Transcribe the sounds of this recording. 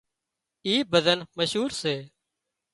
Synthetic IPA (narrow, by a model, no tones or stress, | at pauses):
iːbəd̪ənməʃɦuːɾseː